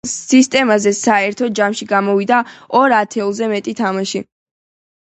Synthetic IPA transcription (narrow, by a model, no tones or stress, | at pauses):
ist̪ʼɛmazɛsaɛɾt̪ʰɔd͡ʒamʃiɡamɔvid̪aɔɾat̪ʰɛlˠzɛmɛt̪ʼit̪ʰamaʃi